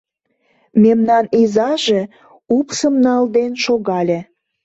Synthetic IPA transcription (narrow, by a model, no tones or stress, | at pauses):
memnɑnizɑʒe | upsəmnɑld̪enʃoɣɑlʲe